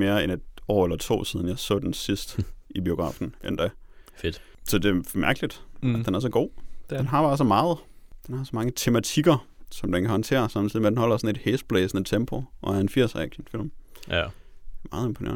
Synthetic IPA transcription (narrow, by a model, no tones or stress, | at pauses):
me̝ːɐene̝d̥ɒ̰ːelɐt͡sʰo̝̰ːsiːð̞ˠn̩jɑ̈ɪsɔ̰ːd̥ensisd̥ib̥io̝ɡ̥ʁɑ̰̈ːfn̩end̥æfed̥ | sɒ̽d̥e̝mæɐɡ̥əlid̥æd̥enæɐsɒ̽ɡ̥o̝̰ːdd̥enɦɑ̈fɑ̈sɒmɑ̈ːð̞̩ˠd̥enhɑ̈sɒ̽mɑ̈ŋət͡sʰe̝mæt͡sʰiɡ̥ɐsɒ̽md̥enkʰæhɒ̽nt͡sʰe̝̰ːɐsɑ̈m̰n̩sʰlidmeædenhɒ̽l̰ɐsɒ̽ne̝d̥hesd̥̚b̥lɛːsnət͡sʰemb̥ʰo̝ʔɒ̽æɐenfiɐ̰sæɡ̥ənfil̰m | mɑ̈ːð̩ˠe̝mpʰo̝nḛːɐ